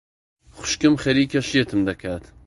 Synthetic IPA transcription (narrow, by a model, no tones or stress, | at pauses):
xʷʊ̥ʃkɨmxɛɾiːkʰɐʃijet̪ʰɨmd̪ɐkʰaːt̪